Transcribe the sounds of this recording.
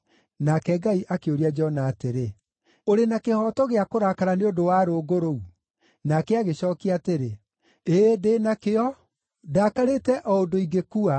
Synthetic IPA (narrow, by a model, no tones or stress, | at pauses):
nakɛɡaiʔakeoɾiad͡ʒɔɔnaːteɾe | oɾenakehɔtɔɣeakoɾakaɾaneodowaːɾoːɡoɾou | nakɛaɣeɕɔːkiateɾe | eːdenakeɔ | daːkaɾetɛʔɔondoiɡekua